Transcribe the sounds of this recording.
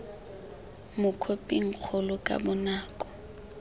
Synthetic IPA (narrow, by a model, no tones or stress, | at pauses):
mʊkʰopʼiŋ̩k͡xʰʊlʊkʼa̰bʊnaːkʼɔ̥